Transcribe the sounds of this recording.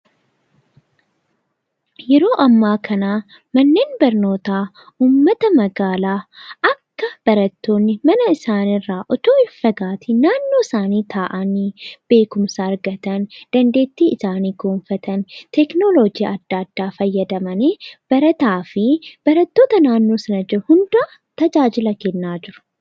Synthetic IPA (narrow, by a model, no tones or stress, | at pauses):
jɛɾo̞ːʔɐmːaːkʰɐnaː | mɐnːeːnbɐɾno̞ːt̪aː | uːmːɐt̪ɐmɐɡaːlaːɐkːɐb̥ɐɾɐt̪ːo̞ːnːɪmɐnɐɪsaːnɪrːaːʔɔt̪oːɪfɐɡaːt̪ɪnaːnːo̞ːɪsaːniːt̪ʰaːʔɐniːb̥e̞ːkʊmsɐɐɾɡɐt̪ɐnd̪̥ɐnd̪e̞ːt̪ːiːʔɪsaːniːɡo̞ːɱfɐt̪ɐnt̪ɛknolod͡ʒiɐd̪ːad̪ːaːfɐjːɐd̪ɐmɐneːb̥ɐɾɐt̪aːfɪb̥ɐɾɐt̪ːo̞ːt̪ɐnaːnːo̞ːsɐnɐd͡ʒɛhʊnd̪aː | t̪ɐd͡ʒaːd͡ʒɪlɐkɛnːaːd͡ʒɪɾʊ̥